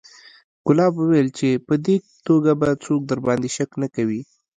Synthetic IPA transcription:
ɡ̥ʊlɑbwuwajlt͡ʃepəd̪e | t̪oɡabat͡sok̚d̪əɾbɑnd̪eʃaknakawi

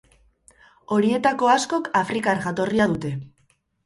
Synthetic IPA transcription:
o̞ɾie̞t̪ako̞asko̞kafɾikaɾɣat̪o̞riaðut̪e̞

